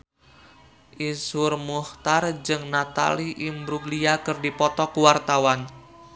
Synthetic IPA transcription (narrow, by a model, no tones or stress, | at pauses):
ʔisʊrmuht̪ard͡ʒɨŋnat̪a̰liʔimbɾuɡliakɨrdipɔt̪ɔkuwart̪awan